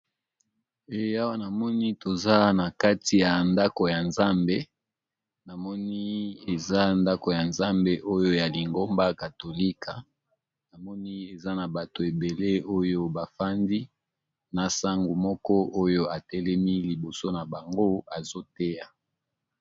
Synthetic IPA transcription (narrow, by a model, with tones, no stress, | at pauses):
e˨a˦wa˦na˨mɔ˦ni˦to˨za˦na˨ka˦ti˨ja˨nda˦ko˨ja˨nza˦mbe˦ | na˨mɔ˦ni˦e˨za˦nda˦ko˨ja˨nza˦mbe˦ʔo˦jo˦ja˨li˨ŋɡo˦mba˦ka˨to˨li˦ka˨ | na˨mɔ˦ni˦e˨za˦na˨ba˨to˨e˨be˨le˦o˦jo˦ba˨fa˦ndi˦ | na˨sa˦ŋɡu˨mɔ˦kɔ˦o˦jo˦a˨tɛ˦lɛ˦mi˦li˨bo˨so˦na˨ba˨ŋɡo˦a˨zo˦te˦ja˨